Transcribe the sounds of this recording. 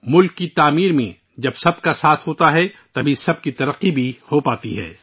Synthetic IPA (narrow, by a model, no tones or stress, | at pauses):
mʊlkːit̪aːmiːɾmḛ̃ | d͡ʒɐbsɐb̚kasaːt̪ʰɦoːt̪aɦɛt̪ɐbʱisɐb̚kit̪ɐɾəqːibʱihopaːt̪iɦɛ̰ː